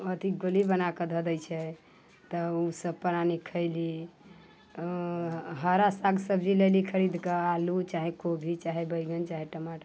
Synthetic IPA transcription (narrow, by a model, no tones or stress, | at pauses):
ət̪iɡolibənakəd̪ʱəd̪əjt͡ʃʰɛ | t̪əusəb̚pəɾanikʰəɪli | ɦəɾasaɡsəbd͡ʒilelikʰəɾid̪ʱkəalut͡ʃaɦekobʱit͡ʃaɦebəjɡənt͡ʃaɦeʈəmaʈ